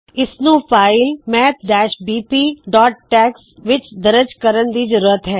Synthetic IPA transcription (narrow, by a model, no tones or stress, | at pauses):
ɪsnũːpʰaːɪlmɛːp̚ɖɛːʃbiːpiːɖɔːʈ̚ːɛːksʋɪt͡ʃd̪əɾəd͡ʒkəɾənd̪id͡ʒəɾuːɾət̪ɦɛː